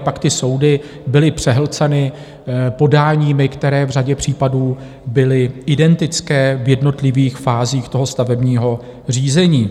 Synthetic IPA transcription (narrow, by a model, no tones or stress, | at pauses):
pakt̪ɪso̞wdɪ | bɪlɪpr̝̥ɛɦlt͡sɛnɪ | po̞daːɲiːmɪkt̪ɛɾɛːvr̝aɟɛpr̝̥iːpaduː | bɪlɪɪdɛnt̪ɪt͡skɛːvjɛdno̞t̪lɪviːxfaːziːxt̪o̞ɦo̞st̪avɛbɲiːɦo̞ | r̝iːzɛɲiː